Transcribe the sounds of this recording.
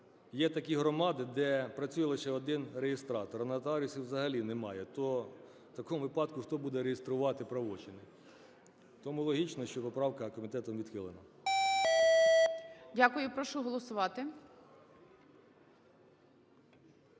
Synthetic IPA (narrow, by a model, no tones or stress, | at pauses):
jɛt̪ɐkʲiɦɾɔmɑd̪ɪd̪ɛpɾɐt͡sʲujɐlˠɐʃɛɔd̪ɪnrejest̪ɾɑt̪ɔɾɐnɐt̪ɐɑɾʲusʲiwzɐɦɐlʲinɛmɑjɛt̪ɔ | t̪ɐkɔmʊʋɪpɑd̪kʊxt̪ɔbud̪ɛɾejest̪ɾʊʋɑt̪ɪpɾɐʋɔt͡ʃɪnɪ | t̪ɔmulˠɔɦʲit͡ʃnɔʃt͡ʃɔpɔpɾɑwkɐkɔmʲit̪ɛt̪ɔmʋʲid̪xɪlˠenɐ | dʲakʊjʊpɾɔʃuɦɔlˠɔsʊʋɑt̪ɪ